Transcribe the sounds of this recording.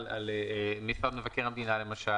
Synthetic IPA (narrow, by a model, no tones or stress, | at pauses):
la̰leemisad̪mevakeʁamd̪inale̞maʃa